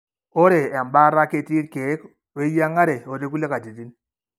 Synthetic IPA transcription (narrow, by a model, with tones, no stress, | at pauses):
o˦ɾe˨a˨mba˦ɾa˦ke˨ti˦ɾke˨˦k | e˦ja˦ŋa˦ɾe˨o˨ɾe˦k̬u˦le˦ka˨ti˨ti˦n